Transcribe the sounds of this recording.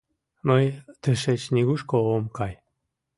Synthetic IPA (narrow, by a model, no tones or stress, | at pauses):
məjt̪əʃet͡ɕnʲiɣuʃkoomkɑj